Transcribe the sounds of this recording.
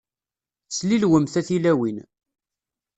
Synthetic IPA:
slilwəmθæθilæwin

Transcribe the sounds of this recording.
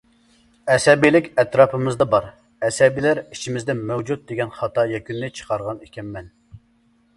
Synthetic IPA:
ɛsɛbilɪkʲɛt̪ɾɑːpʰɨmɨzd̪ɑbɑɾ | ɛsɛbilæɾi̥t͡ʃʰimɪzd̪ɪnmɛwd͡ʒut̪̚d̪eɡʲɛnχɑt̪ʰɑjɛkʲynːɪt͡ʃʰə̥qʰɑɾʁɑnekʲʰɛnmɛn

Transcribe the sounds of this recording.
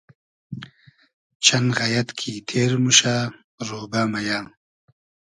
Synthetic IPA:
t͡ʃʰɐnɣajɐt̪kʰit̪ʰeːɾmuʃa | ɾoːbamajaː

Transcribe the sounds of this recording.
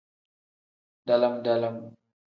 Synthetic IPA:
dalamdalam

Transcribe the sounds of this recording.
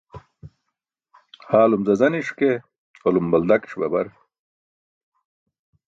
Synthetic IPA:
haːlumzɐzɐniʂke | olumbɐld̪ɐki̥ʂbɐ̰bɐɾ

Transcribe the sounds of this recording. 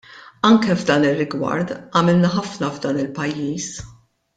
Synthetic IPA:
ɐŋkɛvd̪ɐːnɪrːɪɡwɐ̰ɾt̪ɐmɪlnɐħɐfnɐvd̪ɐːnɪlpɐjːiːs

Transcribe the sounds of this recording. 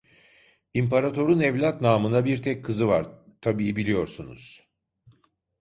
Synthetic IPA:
impʰaɾat̪ʰo̞ɾunɛvlʲat̪naːmɯnabiɾt̪ʰɛc̚kʰɯzɯvaɾt̪ʰabiːbilʲijo̞ɾsunṵz̥

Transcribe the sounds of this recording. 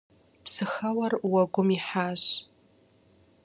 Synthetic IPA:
pʰsɨxawarwaɡʷʊmiħaʒʷ

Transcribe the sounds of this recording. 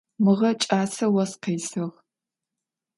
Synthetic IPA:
mɨʁɐt͡ʃʼaːsɐwɐsqeːsɨʁ

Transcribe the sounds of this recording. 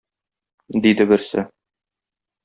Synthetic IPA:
d̪id̪ɘbɘ̆ɾsɘ̰

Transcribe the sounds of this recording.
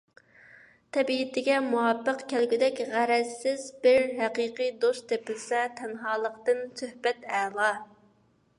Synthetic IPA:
t̪ʰɛbit̪ʰɪɡʲɛmuwɑbːəqkʲʰɛlɡʲɪd̪ɛkʲʁæɾɛsːɪzbɪɾɦæqiːqʰijd̪ost̪t̪ʰepɪlsɛt̪ʰɛnɦɑːlˠəqt̪ɨnsøhbɛt̪ɛːlˠɑ

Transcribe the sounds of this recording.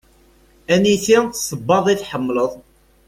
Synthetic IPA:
æniθiθsˤəbːɑðˤiθħəmːləðˤ

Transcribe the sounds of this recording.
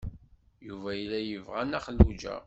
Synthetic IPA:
juvæjlːæjəvʁænæχəlːud͡ʒæ̰

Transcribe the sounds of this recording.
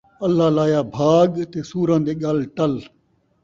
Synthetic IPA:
əlːaːlaːjaːbʱaːɠt̪eːsuːɾãːd̪eːɠalʈəl

